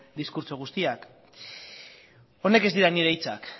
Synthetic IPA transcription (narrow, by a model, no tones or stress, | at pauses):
d̪iskuɾt͡so̞ɣ̞ust̪iak | o̞ne̞ke̞zd̪iɾaniɾejt͡sa̰k